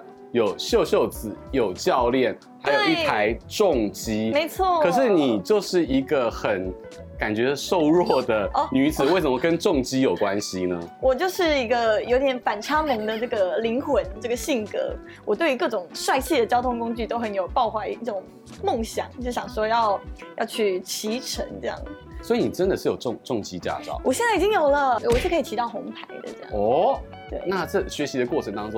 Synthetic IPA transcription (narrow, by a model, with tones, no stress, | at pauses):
jo˨˩ʊɕjo˥˧ʊɕjo˥˩ʊt͡sɹ̩˨˩˦jo˨˩ʊt͡ɕjɑ˥˧ʊljɛ˥˩n | xa˧˥ɪjo˨ʊi˥˩t̪ʰa˧˦ɪʈ͡ʂʊ˥˨ŋt͡ɕi˥me˧˥ɪt͡sʰwɔ˥˩kʰɤ˨˩ʂɻ̩˥˩ni˨˩t͡ɕjo˥˧ʊʂɻ̩˥˩i˧˥ɡə˧xə˨˩˦n | ka˨˩nt͡ɕɥɛ˧˥˧ʂo˥˧ʊɻwɔ˥˩d̪ə˩˧ny˧˥d͡zɹ̩˨˩we˥˩ɪʂə˨˩mə˧˩kə˦nʈ͡ʂʊ˥˨ŋt͡ɕi˥jo˨˩ʊkwa˦˥nɕi˨nə˦wɔ˨˩t͡ɕjo˥˧ʊʂɻ̩˥˩i˧˥ɡə˧jo˧˥ʊt̪jɛ˨˩˥nfa˨˩nʈ͡ʂʰa˥mi˧˥ŋd̪ə˧ʈ͡ʂɤ˥˩ɡə˩li˧˥ŋxwə˧˥nʈ͡ʂɤ˥˩ɡə˩ɕi˥˩ŋkɤ̰˧˥ | wɔ˨˩t̪we˥˩ɪy˧˥kɤ˥˩ʈ͡ʂʊ˨˩ŋʂwa˥˧ɪt͡ɕʰi˥˩d̪ə˩t͡ɕjɑ˥ʊt̪ʰʊ˥ŋkʊ˥ŋt͡ɕy˥˩t̪o˥ʊxə˧˦˥njo˨˩ʊpɑ˥˧ʊxwa˥˩i˥˩˥ʈ͡ʂʊ˨˩˦ŋ | mo˥˩ŋɕjɑ̰˨˩˦ŋ˧ʂɻ̩˥˩ɕjɑ˨˩ŋʂwɔ˥jɑ˥˩ʊjɑ˥˧ʊt͡ɕʰy˥˩t͡ɕʰi˧˥ʈ͡ʂʰə˧˥ŋʈ͡ʂɤ˥˧jɑ̰˥˩ŋ˩ | swi˧ni˨˩ʈ͡ʂə˦˥nd̪ə˨ʂɻ̩˥˩jo˨˩ʊʈ͡ʂŋʈ͡ʂʊ˥˩ŋt͡ɕi˥t͡ɕja̰˥˧ʈ͡ʂɑ̰˥˩ʊwɔ˨˩ɕjnt͡sa˥˩i˨˩t͡ɕi˥ŋjo˨˩ʊlə˧˥˩wɔ˨˩ʂɻ̩˥˩kʰi˨˩t̪ʰi˧˥ɑ˥˩ʊxʊ˧˥ŋp̪ʰa˧˥ɪd̪ə̰˧ʈ͡ʂɤ˥˩˧jɑ̰˥˩ɔ˧˥˩ | t̪we˥˩ɪna˥˧ʈ͡ʂɤ˥˩ɕɥɛ˧˥ɕi˧˥d̪ə˧kwɔ˥˩ʈ͡ʂʰə˧˥ŋt̪ɑ˥ŋʈ͡ʂõ˥